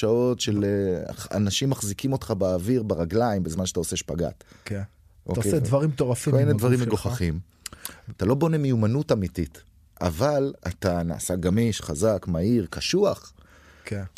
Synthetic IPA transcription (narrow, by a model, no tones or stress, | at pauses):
ao̞tʃel̰ | a̰naʃimːaχzikimo̞tχabeːviʁbeʁaɡlaimbezmanʃeataose̞ʃpaɡa̰tk | ʔokeed̪vaʁimt̪oʁafkiominedvaʁimeɡoχaχim | talo̞bo̞ne̞mejumanutamitit | ʔa̰vala̰tana̰ːsaɡamiʃχazakmaiʁkaʃuaχ | k